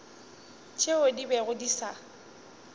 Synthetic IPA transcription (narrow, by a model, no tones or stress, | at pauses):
t͡ʃʰeʊdibɛɣʊdisa